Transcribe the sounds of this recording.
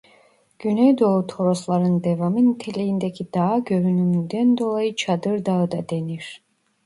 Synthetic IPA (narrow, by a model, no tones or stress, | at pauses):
ɟ̥ynejd̪o̞ut̪ʰo̞ɾoslˠaɾɯnd̪evamɯnt̪ʰelejind̪ecʰid̪̥aɦɟø̞ɾynymynd̪ænd̪o̞lˠajɯt͡ʃʰad̪ɯɾd̪aɯd̪ɑd̪eniɾ̥